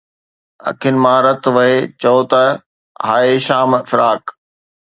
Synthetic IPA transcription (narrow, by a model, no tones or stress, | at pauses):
ɐ̰kʰʊnɪ̆mãːɾɐt̪ʋɐɦet͡ɕɐot̪ɐ | ɦaːeʃaːmfɪɾaːk